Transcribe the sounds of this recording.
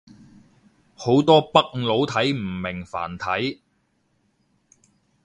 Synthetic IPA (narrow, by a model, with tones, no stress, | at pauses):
ho˨˥wt̪ɔː˥pɐ˥k̚lo˨˥wt̪ʰɐ˨˥jm̩˨˩mɪ˨˩ŋfa̰ː˨˩nt̪ʰɐ˨˥j